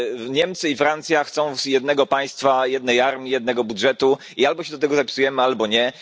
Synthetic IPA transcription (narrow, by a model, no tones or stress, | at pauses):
ɲɛmt̪sɘifɾant̪sʲjaxt̪sɔ̃w̃jɛd̪̚nɛɡɔpaj̃st̪fajɛd̪nɛjaɾmʲijɛd̪nɛɡɔbudʐɛt̪u | ialbɔɕɛd̪ɔt̪ɛɡɔzapʲisujɛmɘalbɔɲɛ